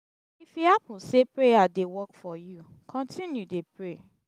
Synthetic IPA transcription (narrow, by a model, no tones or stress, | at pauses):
ifjihapũnsepɹejadewɔkfɔju | kʰɔ̃ntʰĩnjudepɹe